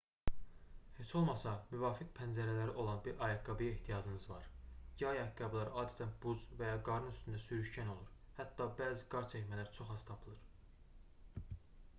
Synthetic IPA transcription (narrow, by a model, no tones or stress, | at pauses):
he̞t͡ʃʰo̞lˠmɑsɑmyvɑːfik̚pʰænd͡ʒæɾælæɾiʔo̞lˠɑnbiɾʔɑjɑɡɑbijeht̪ʰijɑd͡ʒɯnɯzvɑɾjɑjɑɡɑblˠɑɾʔɑːd̪æt̪ʰænbuzvæjɑɡɑɾɯnyst̪ʰynd̪æsyɾyʃcæno̞lˠuɾ | hæt̪ːɑbæːziɡɑɾt͡ʃʰæcmælæɾt͡ʃʰo̞χɑst̪ʰɑpʰɯlˠɯɾ̥